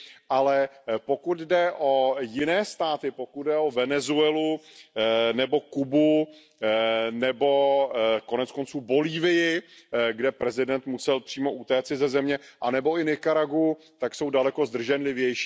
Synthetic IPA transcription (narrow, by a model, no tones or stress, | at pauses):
ʔalɛpo̞kut̪dɛʔo̞jɪnɛːst̪aːt̪ɪpokud̪̚dɛo̞vɛnɛzuɛlu | nɛbo̞kubu | nɛbo̞ko̞nɛt͡sko̞nt͡suːbo̞liːvɪjɪɡdɛpɾɛzɪdɛnt̪musɛlpr̥iːmo̞ʔut̪ɛːt͡sɪzɛzɛmɲɛʔanɛbo̞ɪnɪkaɾaɡu | t̪akso̞wdalɛko̞zd̪r̩ʒɛnlɪvjɛjʃː